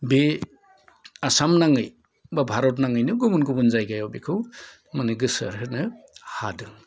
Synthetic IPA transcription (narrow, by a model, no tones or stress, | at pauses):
be | asamnaŋɯj | babʱaɾɔtnaŋɯjnɯɡumunkubunzajɡajɔwbekʰɯw | manɯɡɯsɐ̰ɾɯnɯhadɯŋ